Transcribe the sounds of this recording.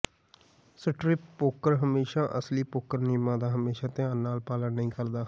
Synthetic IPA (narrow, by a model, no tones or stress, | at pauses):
səʈɾɪpːoːkəɾɦəmeːʃãːʔəsliːpoːkəɾniːmãːd̪aːɦəmeːʃãːt̪ɪãːnːaːlpaːlənːəĩːkəɾd̪aː